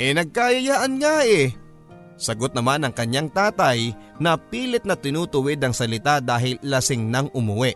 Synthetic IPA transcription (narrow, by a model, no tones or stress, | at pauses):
ʔɛnɐɡ̚kajɐjaːʔɐnŋaʔɛ | sɐɡot̪̚nɐmanɐŋkɐɲːaŋt̪aːt̪ɐj | nɐpiːlɪt̪̚nɐt̪ɪnuːt̪ʊwɪd̪ɐŋsɐlɪt̪ad̪aːɦɪlːɐsɪŋnɐŋʔʊmʊwɛʔ